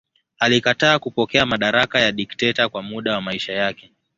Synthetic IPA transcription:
alikataːkupɔkɛamaɗaɾakajaɗiktɛtakwamuɗawamaiʃajakɛ

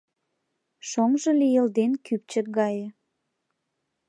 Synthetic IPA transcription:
ʃoŋʒə̆lijəld̪enkyp̚t͡ɕək̚ɡɑjə

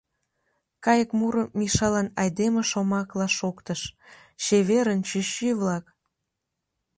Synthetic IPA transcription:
kɑjəkmuɾəmiʃɑlɑnɑjd̪emeʃomɑklɑʃokt̪əʃ | t͡ɕeβeɾənt͡ɕyɕiβlɑk

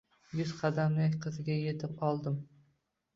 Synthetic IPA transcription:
jʊzqʰɑd̪amlɪqʰɨzɪɡʲajet̪ʰɪpɒlˠd̪ɪm

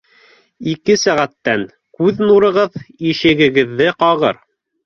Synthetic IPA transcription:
ikɘsæʁæt̪ːæŋ | kʉðnuɾɤ̆ʁɤðiʃɘ̆ɡɘ̆ɡɘ̆ðːɘqɑʁɤ̰ɾ

